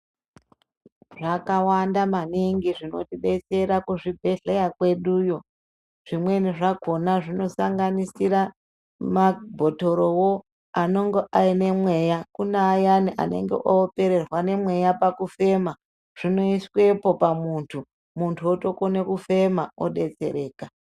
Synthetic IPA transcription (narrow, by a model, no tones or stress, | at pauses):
ʐakawandamaniŋɡiʐino̞̰tiɓe̞t͡se̞ɾakuʐibʱe̞ɮejakwe̞ɗuːjo̞ | ʐ̥imwe̞niʐaɡʱo̞naʐino̞saŋɡanisiɾa | mabʱo̞to̞ɾo̞wo | ano̞ŋɡeʔaine̞mwe̞jakunaːjaniʔa̰ne̞̰ŋɡḛʔope̞ɾe̞rwane̞mwe̞japakufe̞ma | ʐ̥ino̞iswe̞po̞pamuntʰu | muntʰuoto̞konekufe̞mao̰ɗe̞t͡se̞̰ɾe̞ːka